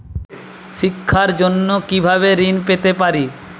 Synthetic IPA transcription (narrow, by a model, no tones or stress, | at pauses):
ʃikʰːaɾd͡ʑonːokibʱaβeɾinpet̪epaɾi